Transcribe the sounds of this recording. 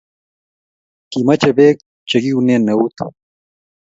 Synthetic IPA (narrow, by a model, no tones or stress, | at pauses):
kimɐt͡ɕɐbeːk̚ | t͡ɕɐɡiuneːnɐut̪ʰ